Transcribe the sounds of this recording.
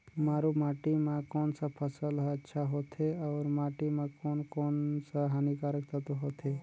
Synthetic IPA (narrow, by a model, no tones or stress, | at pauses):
maːɾumaːʈimãkɔːnsapʰəsələtːʃʰaɦoːt̪ʰeɔːɾmaːʈimãkoːnkoːnsaɦaːnikaːɾəkt̪at̪oɦot̪ʰe